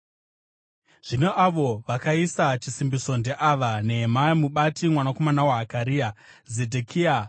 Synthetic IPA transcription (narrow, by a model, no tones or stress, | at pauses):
ʐ̥ine̞ʔaʋo̞ʋakaisat͡ʃisimbiso̞ndeʔaʋane̞ɦemamuɓatimwanako̞manawaɦakaɾiːa | zedʱekʰia